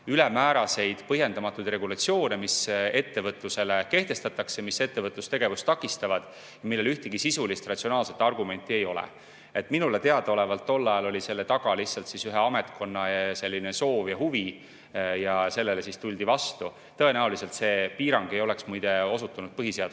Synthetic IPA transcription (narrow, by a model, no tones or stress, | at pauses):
ylemæːɾɑse̞jd̪̥pɤɦje̞nd̪ɑmɑt̪ːˑud̪re̞ɡulɑt̪sio̞ːnemise̞t̪ːe̞vɤt̪ˑluse̞le̞ke̞ht̪e̞st̪ɑt̪ːˑɑksemise̞t̪ːe̞vɤt̪ˑlust̪e̞ɡ̥e̞vust̪ɑkːˑist̪ɑvɑd̪̥ | jɑmilːe̞lyht̪iɡ̥isisulist̪rɑt̪sio̞nɑːlset̪ːˑɑrɡume̞nt̪ːˑie̞jo̞lḛ | e̞t̪ˑminulet̪eɑd̪̥ɑo̞le̞vɑlt̪ːo̞lːɑjɑlo̞lʲise̞lːe̞t̪ɑɡ̥ɑlihsːɑlt̪sisyɦeɑme̞t̪kʰo̞nːɑjɑse̞lːineso̞ːvjɑhuvi | jɑse̞lːe̞le̞sist̪ulʲd̪ivɑst̪u | t̪ɤe̞næɦulise̞lt̪se̞ːpiːɾɑŋɡ̥e̞jo̞le̞ksmujd̪̥e̞o̞sut̪ːˑunud̪̥pɤɦiseɑd̪